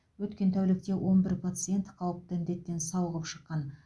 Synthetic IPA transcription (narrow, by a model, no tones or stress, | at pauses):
wɵt̪kʲe̞nt̪ʰæwlɪk̚t̪e̞wʔo̞nbɪɾpʰat̪sɨje̞nt̪qʰɑwəp̚t̪əɪnd̪e̞t̪ːe̞nsɑwəʁəpʃə̥qːɑn